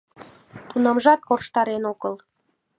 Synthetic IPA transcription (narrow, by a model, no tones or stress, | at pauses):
t̪unɑmʒɑt̪̚korʃt̪ɑɾenokəl